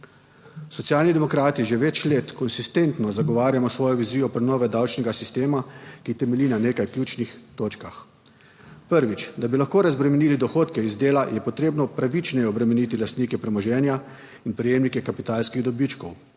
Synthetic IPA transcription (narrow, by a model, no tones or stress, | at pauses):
sɔt̪sjaːlnid̪ɛmɔkɾaːt̪iʒeʋɛt͡ʃleːt̪kɔnsist̪ent̪nɔzaɡɔʋaːɾjamɔsʋɔːjɔʋiziːjɔpɾɛnɔːʋɛd̪awt͡ʃnɛɡasist̪eːmakit̪ɛmɛlinaneːkajklʲjuːt͡ʃnixt̪oːt͡ʃkax | pəɾʋit͡ʃd̪abilaxkoːɾazbɾɛmɛniːlid̪ɔxoːt̪kɛizd̪eːlajʔɛpɔt̪ɾeːbnɔpɾaʋit͡ʃnɛjɛɔbɾɛmɛniːt̪ilast̪niːkɛpɾɛmɔʒɛːnja | inpɾɛjeːmnikɛkapit̪aːlskiɣd̪ɔbit͡ʃkɔw